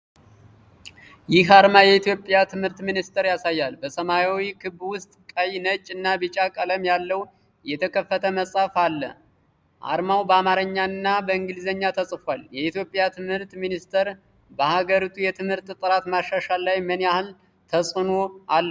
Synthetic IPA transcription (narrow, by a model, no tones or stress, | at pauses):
jɪɦaɾmajɛit̪ʰjo̞pʼjat̪ʰɨmhɨɾt̪minist̪ʰəɾjasajːalbəsəmajawikʰɨβwʊst̪ʼkʼəjnət͡ʃʼɨnːabɨt͡ʃʼːakʼələmjalːəw | jɛt̪ʰəkʰəfːət̪ʰəməsʼafalːə̰ | ʔa̰ɾmawbəamaɾəɲːaɨnːabəɨŋɡɨlzəɲːat̪ʰəsʼfʷaljɛit̪ʰjo̞pʼjat̪ʰɨmhɨɾt̪minist̪ʰəɾ | bəhaɡəɾit̪ʰujɛt̪ʰɨmhɨɾt̪t̪ʼɨɾat̪maʃaʃalːajmənjahɨl | t̪ʰəsʼɨno̞alːə